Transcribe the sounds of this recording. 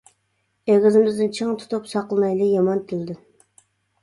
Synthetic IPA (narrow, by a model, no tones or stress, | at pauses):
eɡʲɪzɪmɪzd̪ɪnt͡ʃʰɨŋt̪ʰu̥t̪ʰupsɑqlˠɨmɑjlˠɨjɑmɑnt̪ʰɪld̪ɪ